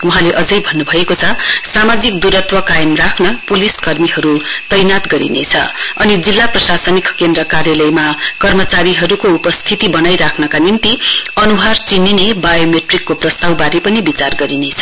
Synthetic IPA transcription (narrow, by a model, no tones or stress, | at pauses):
wuɦãleʔʌd͡zʌjbʱʌnːubʱʌekot͡sʰʌsamad͡zik̚d̪uɾʌt̪ʰwʌkajʌmrakʰnʌpuliskʌrmiɦʌɾut̪ʌjnat̪ɡʌɾḭnet͡sʰʌ̰ʌnid͡zilːaprʌsasʌnikkend̪ɾʌkarjʌlʌjmakʌrmʌt͡saɾiɦʌɾukoupʌst̪ʰit̪ibʌnajɾakʰnʌkanint̪iʌnuɦart͡sininebajomeʈrikːoprʌst̪awbaɾipʌnibit͡sarɡʌɾinet͡sʰʌ̥